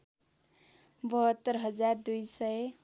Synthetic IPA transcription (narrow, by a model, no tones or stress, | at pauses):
bʌɦʌt̪ːʌɾɦʌd͡zard̪ujsʌj